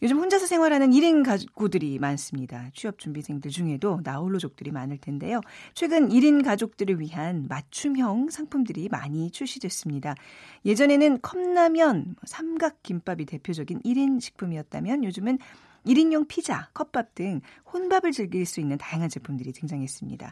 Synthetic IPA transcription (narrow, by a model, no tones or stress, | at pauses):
jod͡ʑɯmɸond͡ʑasʰʌsʰe̞ŋwaɾɦanɯniɾinɡaɡudɯɾimans͈ɯmɲidat͡ɕʰiʌp̚t͡ɕ͈umbisʰe̞ŋdɯɭd͡ʑuŋe̞donaoɭːod͡ʑok̚t͈ɯɾimanɯɭtʰe̞nde̞jot͡ɕʰwe̞ɡɯniɾinɡad͡ʑok̚t͈ɯɾɯɭɥiɦanmat͡ɕʰumjʌŋsʰaŋpʰumdɯɾima̰ɲit͡ɕʰuɭɕ͈idwe̞s͈ɯmɲidaje̞d͡ʑʌne̞nɯnkʰʌmnamjʌnmʌsʰamɡak̚k͈ːimp͈abite̞pʰjod͡ʑʌɡiniɾinɕʰi̥k̚pʰumiʌt̚t͈a̰mjʌnjod͡ʑumɯn | iɾinjʌŋpʰid͡ʑa̰kʰʌp͈ap̚t͈ɯŋhonbabɯɭt͡ɕɯɭɡiiɭs͈uinːɯntajaŋɦand͡ʑe̞pʰumdɯɾiteŋd͡ʑaŋɦe̞s͈ɯmɲḭda̰